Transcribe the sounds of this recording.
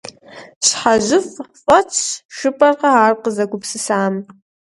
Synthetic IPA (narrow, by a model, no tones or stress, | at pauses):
ɕħaʒɪffʼɐt͡ʃʰʃɨpʼɐrqɐaːrqəzɐɡʷʊpsɨsaːm